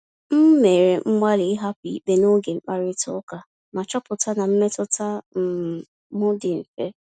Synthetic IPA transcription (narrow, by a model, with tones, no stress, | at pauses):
m̩˦me˨ɾe˨ŋ͡m̩˦ma˦li˨˦ɦa˦pi˨i˦k͡pe˦no˦ɡe˨ŋ͡m̩˦˨k͡pa˦ɾɪ˦tʊ̰˨˦ka˨ | ma˨t͡ʃɔ˦pʊ˨ta˦na˨m̩˦me˦tʊ˦ta˦m̩˨ | mʊ˦dɪ˨m̩˨fe˦